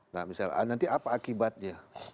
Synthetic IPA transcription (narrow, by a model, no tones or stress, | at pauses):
na̰misala̰nant̪iʔapaːkibat̪̚ɲa